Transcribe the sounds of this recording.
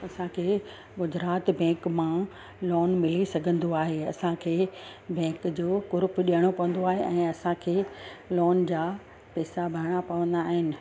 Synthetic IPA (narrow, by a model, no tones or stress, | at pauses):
ɐsãkʰeː | ɡʊd͡ʑɾaːt̪bɛ̃ːkmã | lɔːnmɪlisɐɡʱə̃nd̪oaːɦeɐsãkʰeːbɛ̃ːkd͡ʑoːkʊɾpɗijəɽ̃opɐʋə̃n̆d̪oaːɦeʔɛ̃ːɐsãkʰeːlɔːnd͡ʑaː | pɛːsabʱɐɾɽ̃apɐʋə̃nd̪aːɦɪnɪ̆